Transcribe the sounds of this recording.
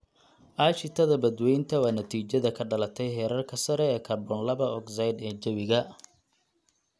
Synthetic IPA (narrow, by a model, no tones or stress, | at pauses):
ʔaːʃɪt̪ʰɐðɐbɐd̪wɛjnt̪ʰɐwɑːnɐt̪ʰiːt͡ʃɐðɐkʰɐɖɐlɐt̪ʰɛjɦɛːɾɐrkʰɐsɐɾɛːkʰɐrbɔnlɐβɐʔɔɡsajd̪ɛːd͡ʒɐβɪɣɐ